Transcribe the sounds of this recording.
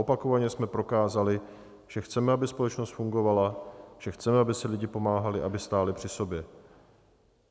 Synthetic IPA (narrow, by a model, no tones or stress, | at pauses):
opako̞vaɲɛsmɛpɾo̞kaːzalɪ | ʒ̥ɛxt͡sɛmɛabɪspo̞lɛt͡ʃnost̪fuŋɡo̞valaʒ̥ɛxt͡sɛmɛabɪsɪlɪɟɪpo̞maːɦalɪʔabɪst̪aːlɪpr̥ɪso̞bjɛ